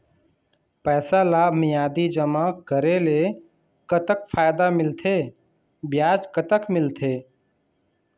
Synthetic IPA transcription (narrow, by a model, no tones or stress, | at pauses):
pɛːsalaːbʱmɪjaːd̪id͡ʒəmakəɾele | kət̪ək̚pʰaːjd̪amɪlt̪ʰe | bjaːd͡ʒkət̪əkmɪlt̪ʰeː